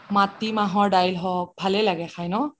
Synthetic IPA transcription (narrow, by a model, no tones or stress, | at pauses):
matimaɦɔɹdajlɦɔk̚bʱalɛlaɡɛxʰajnɔ